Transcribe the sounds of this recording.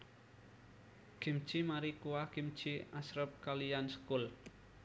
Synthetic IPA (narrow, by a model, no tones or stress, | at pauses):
ɡ̥im̥t͡ʃimaɾikuwaɡ̥im̥t͡ʃiasɾəp̚kalijansə̥kul